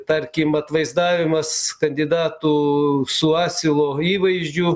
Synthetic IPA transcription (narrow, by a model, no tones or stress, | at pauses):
t̪ɐɾʲkʲɪmɐt̪ʋɐɪzd̪ɑːʋʲɪmɐskɐnʲd̪ʲɪd̪ɑːt̪usʊɑːsʲɪlˠoːiːʋɐɪʒʲd͡ʒʲʊ